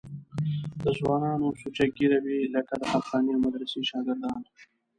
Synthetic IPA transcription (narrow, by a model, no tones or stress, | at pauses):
d̪əzwɑːnɑːnosut͡ʃaɡiɾawilɐkad̪əhaχɑːniawmad̪ɾɐsiʃɑːɡɪɾd̪ɑːn